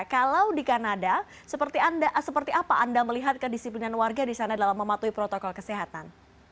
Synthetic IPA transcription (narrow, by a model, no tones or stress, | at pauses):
kalawdikanada | səpərt̪iandaʔsəpərt̪iapaʔandaməliɦat̪̚kədisiplinanwarɡadisanadalamːəmat̪uipɾɔt̪okɔlkəseɦat̪an